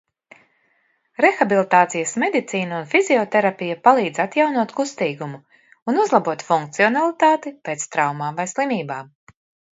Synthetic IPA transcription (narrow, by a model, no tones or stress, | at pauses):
ɾexabilˠit̪aːt̪sijasmed̪it̪siːnaunfiziɔt̪ɛɾapʲijapalˠiːd̪zat̪jawnuɔt̪kust̪iːɡumu | unuzlˠabuɔt̪fuŋkt̪siɔnalˠit̪aːt̪ipeːt̪st̪ɾawmaːmvajslˠimiːbaːm